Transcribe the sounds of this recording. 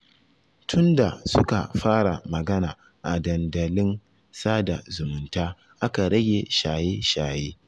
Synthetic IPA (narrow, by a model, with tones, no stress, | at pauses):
tʰʊ˦nda̰˨sʊ˦ka̰˨ɸaː˦ɽa˨mɐ˨ɡɐ˦naː˨ | ʔa˨dɐ˨ndɐ˨lɪ˦n | saː˦da̰˨zʊ˨mʊ˨ntaː˦ | ʔa˦ka˨ɽɐ˦ɡʲe˨ʃaː˨jeː˦ʃaː˨jeː˦